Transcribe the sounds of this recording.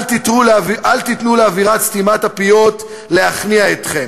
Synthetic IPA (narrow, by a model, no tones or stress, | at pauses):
tituʔalt̪it̪nuleaviʁat̪st̪imatapijo̞t̪ | le̞aχniaet̪χem